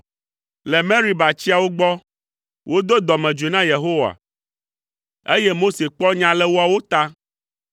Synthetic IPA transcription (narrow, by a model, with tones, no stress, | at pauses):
lɛ˨mɛ̃˦ɾi˦ba˨t͡ɕi˦a˨wo˦ɡ͡bɔ˦ | wʔo˦d̪o˦d̪ɔ˨mɛ̃˨d͡ʒu˨e˨nã˦je˨ɦo˦wa̰˨ | e˦je˦mo˦se˨k͡pɔ˦ɲã˨lɛ˦wo˦a˨wo˦t̪a˦